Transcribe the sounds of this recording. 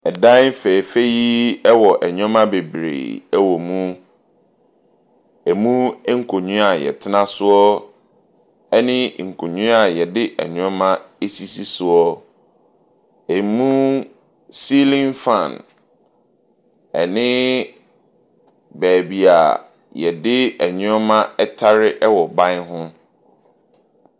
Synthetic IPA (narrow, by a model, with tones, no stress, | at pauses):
ɛ˨dã˦m̩˦fe˨fe˦ji˦ɛ˦wɔ˨ʔɛ˨ɲᶣɔ̃˦mã˦be˨bɾḛː˨ɛ˦wɔ˨mũ˦ | ɛ˨mũ˦ŋ̩˦kʰo˨ɲũ˦a˨jɛ̰˨tʰɪ˦nã˦sʊ˦ɔ˦ | ɛ˦nɪ̃˦˨ŋ̩˨kʰo˨ɲũ˦a˨jɛ˨dɪ˦ʔɛ̰˨ɲᶣɔ̃˦mã˦e˦si˦si˦sʊ˨ɔ˦ | e˨˦mũ˦ | si˦lĩ˦nfã˦˨n | ɛ̰˨nɪ̃˦ | bæː˨bi˨a̰˨ | jɛ˨dɪ˦ɛ˨ɲʊ̃˦ɔ˦mã˦ɛ˦tʰa˦ɾɪ˦ʔɛ˦wɔ˨bã˦ɦʊ̃˦